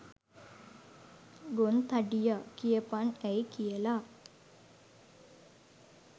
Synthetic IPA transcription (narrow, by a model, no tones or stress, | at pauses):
ɡont̪ɐɖijakijɐpanɛjkijɐla